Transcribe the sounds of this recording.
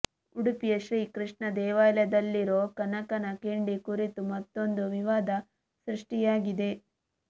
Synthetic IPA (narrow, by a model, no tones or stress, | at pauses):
uɽupijɐʃɾiːkɾiʂɳɐd̪ɛːʋaːlɐd̪ɐlːiɾoːkɐnɐkɐnɐkeːɳɖikuɾit̪umɐt̪ːo̞nd̪uʋiʋaːd̪ʱɐ | sɾiʂʈijaːɡid̪e̞